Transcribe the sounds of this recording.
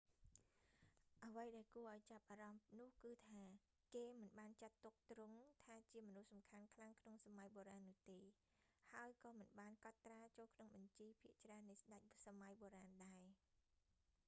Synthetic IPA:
ʔəʋəjɗaɛlkuəʔaɔjt͡ɕap̚ʔaːɾɑmnʊ̆əhkɨːt̪ʰaː | keːmɨnɓaːnt͡ɕat̪ːuk̚t̪ruŋt̪ʰaːt͡ɕiəmɔnuhsɑmkʰankʰlaŋkʰnoŋsamajɓoːɾaːnːʊ̆əht̪eː | haəjkɑːmɨnɓaːnkɑt̪ːraːt͡ɕoːlkʰnoŋɓɑɲt͡ɕiːpʰiəʔt͡ɕraənːɨjsɗac̚samajɓoːɾaːnɗaɛ

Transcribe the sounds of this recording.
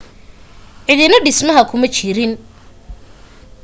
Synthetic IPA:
ʕɪðɪnɐɖɪsmɐɦɐkʰʊmɐt͡ʃɪɾɪn

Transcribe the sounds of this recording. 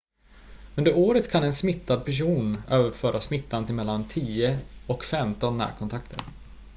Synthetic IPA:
ɵnd̪əɾoːɾət̪kʰanɛnsmɪt̪ːad̪̚pʰæʂ̬uːnøːvəɾfœːɾasmɪt̪ʰːant̪ɪmɛlːant̪ʰiːəɔkfɛmt̪ɔnːæ̰ːɾkʰɔnt̪ʰak̚t̪ʰə̰ɾ

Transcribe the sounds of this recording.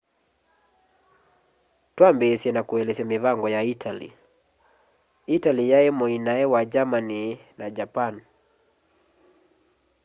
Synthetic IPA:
twambɛsiɛnakuɛlɛsɛmiβaŋɡɔjaitʰalḭ | italijaɛmɔinaɛwad͡ʒamaninad͡ʒapan

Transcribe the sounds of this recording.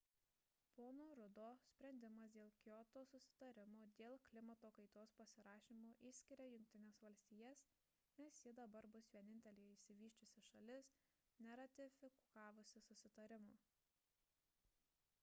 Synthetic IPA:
poːnoːɾʊd̪oːsʲpʲɾʲɛnʲd̪ʲɪmɐsd̪ʲeːlˠkʲoːt̪oːsʊsʲɪ̥t̪ɐɾʲɪmoːd̪ʲeːlˠklʲɪmɐt̪oːkɐɪt̪oːspɐsʲɪɾɑːʃʲiːmuːʔiːsʲkʲɪɾʲɛjʊŋʲk̚ʲt̪ʲɪnʲeːsʋɐlʲsʲt̪ʲiːjɛs | nʲɛsjɪd̪ɐbɐɾbʊsʋʲiɛnʲɪnʲt̪ʲɛlʲɪːjɛɪːʃʲsʲɪʋʲiːʃʲt͡ʃʲʊsʲɪʃɐlʲɪs | nʲɛɾɐt̪ʲɪfʲɪkɑːʋʊsʲɪsʊsʲɪt̪ɐɾʲɪmuː

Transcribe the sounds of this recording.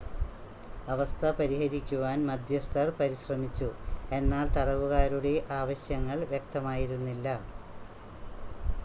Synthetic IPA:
ɐʋɐst̪ʰɐpɐɾiɦɐɾikʲːuʋaːnmɐd̪ʱjɐst̪ʰɐrpɐɾiɕrɐmit͡ɕːue̞nːaːlt̪ɐɽɐʋuɣaːɾuɽe̞ʔaːʋɐɕjɐŋːɐɭʋjek̚t̪ɐmaːjiɾunːilːɐ

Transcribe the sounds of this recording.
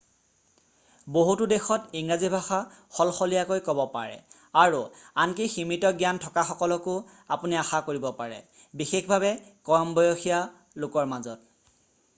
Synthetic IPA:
boɦutʊdɛxɔtiŋɹazibʱaxa | xɔlxɔlijakojkɔbɔpa̰ɹɛ̰ | aɹuankeximitɔɡjantʰɔkaxɔkɔlɔkʊ | apuniaxakoɹibɔpaɹɛ̰ | bixexbʱaβɛkɔɹmbɔjoxija | lʊkɔɹmazɔt̚

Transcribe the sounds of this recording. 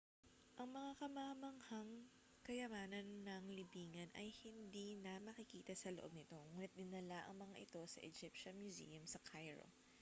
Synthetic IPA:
ʔɐŋmɐŋakɐmamɐŋhaŋ | kɐjɐmaːnɐnːɐŋlɪbiːŋɐnʔɐjhɪnd̪inɐmɐkɪkiːt̪ɐsɐloʔo̞b̚nɪt̪o̞ŋuːnɪt̪̚d̪ɪnːɐlaʔɐ̰ŋmɐŋaʔɪt̪o̞sɐ̰ʔɛd͡ʒɪpʃɐnmjʊzḭːjɐmsɐkʰajɹo̰

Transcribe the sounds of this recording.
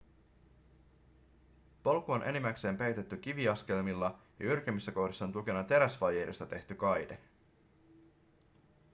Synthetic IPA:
po̞lkuonʔe̞̰nimækse̞ːmpejt̪e̞t̪ːyk̟iʋiɑsk̟e̞lmilːɑjɑ̰yrk̟emːisːæko̞hdisːɑont̪uk̟e̞nɑt̪e̞ɾæsʋɑjeːdest̪ɑt̪e̞ht̪ykɑjde̞

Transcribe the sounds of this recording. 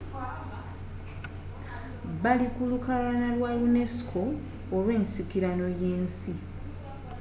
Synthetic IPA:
βalikulukalanalwajune̞si̥kʰo̞ː | lwe̞ːnsikiɾano̞jeːnsi

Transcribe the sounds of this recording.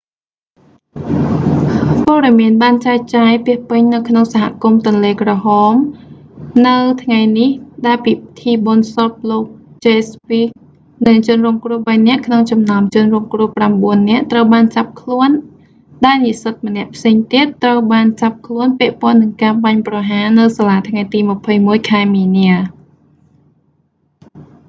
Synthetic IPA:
pɔːɗɑmiənɓaːnt͡ɕaːt͡ɕaːjpiəhpɨɲnɨwkʰnoŋsaɦa̰ʔkumt̪ʊ̆ənleːkrɑɦɑːm | nɨwt̪ʰŋajnihɗaɛlpiːt̪ʰiːɓonsot̪̚loːk̚t͡ɕeːspik̚ | nɨŋt͡ɕʊ̆nruːŋkrŭəhɓajnɛ̆əʔkʰnoŋt͡ɕɑmnaɔmt͡ɕʊ̆nrɔːŋkrŭəhpramɓuənːɛ̆əʔt̪rəwɓaːnt͡ɕap̚kʰluən | ɗaɛlnisɨt̪̚mənɛ̆əʔpʰseːŋt̪iət̪ːrəwɓaːnt͡ɕap̚kʰluənpɛ̆əʔpoɔ̆ənːɨŋkaːɓaɲprɑɦaːnɨwsaːlaːt̪ʰŋajt̪iːmə̆pʰəjmuəjkʰaɛmiːniə

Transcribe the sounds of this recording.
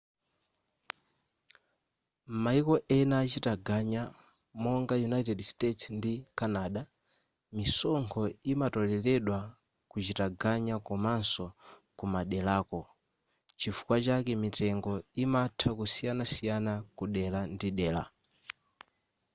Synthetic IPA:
m̩maikɔʔɛnaːt͡ʃitaɡaɲa | mɔŋɡajunaitɛdstɛtsndikanaːɗa | misɔŋkʰɔimatɔlɛlɛɗwa | kut͡ʃitaɡaɲakɔmansɔkumaɗɛlaːkɔ | t͡ʃifu̥kwat͡ʃakɛmitɛŋɡɔimatʰakusijanasijanakuɗɛlandiɗɛːla̰

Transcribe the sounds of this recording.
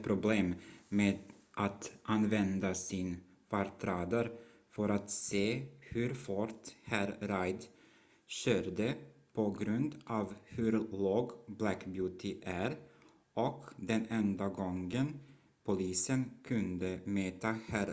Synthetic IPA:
pʰɾʊbleːmmeːd̪ʔat̪ʔanvɛnd̪asɪn | fɑɾt̪ʰɾɑːd̪əɾ | fœɾat̪seːhʉɾfɔɾt̪hæɾɾajd̪ | ɕøːɾd̪əpʰɔɡɾʉnd̪ʔɑːvhʉɾloːɡblækbjuːt̪ʰɪʔæɾ | ʔɔkd̪ɛnɛnd̪aɡɔŋɡən | pʰʊliːsənkʰɵnd̪əmøːt̪ahæɾ

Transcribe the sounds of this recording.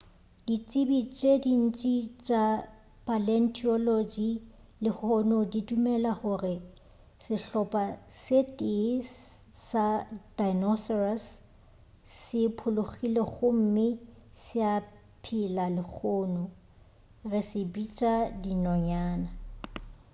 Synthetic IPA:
d̥it͡sʼɪbit͡ʃʼedin̩t͡ʃʼit͡ʃʼa | pʼalɛn̩tʰʼiɔlod͡ʒi | lɪhɔnʊdidumɛlahʊrɪ | sɪɬɔpʼasetʼɪs | sadajnɔsɔrasː | ɪpʰʊlʊχileɣʊm̩mɪsɪa | pʰɪlalɪk͡xʰʊːnʊ | rɪsɪbit͡ʃʼadinɔɲaːna

